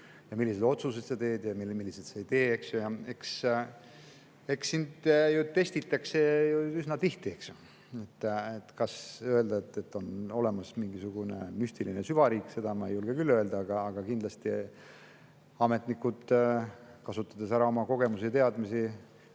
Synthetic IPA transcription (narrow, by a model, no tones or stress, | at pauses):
jɑmilːise̞d̪̥o̞t̪suse̞d̪set̪e̞ːd̪̥jɑmilːmilːised̪seejt̪e̞ːe̞ksjojɑe̞ks | e̞ksːind̪̥jut̪e̞st̪it̪ːˑɑkse̞juysnɑt̪iht̪ie̞ksju | e̞t̪ːet̪ːkɑsø̞e̞ld̪ɑet̪ːe̞t̪ːo̞no̞le̞mɑsmiŋɡisuɡ̥une̞̰mysʲt̪ilinesyvɑɾiːkse̞d̪ɑmɑejulɡ̥ekylːøeld̪ɑɑɡ̥ɑːɡ̥ɑkind̪lɑst̪i | ɑme̞t̪nikːud̪ | kɑsut̪ːˑɑd̪esæɾɑo̞mɑko̞ɡ̥e̞musit̪e̞ɑd̪misi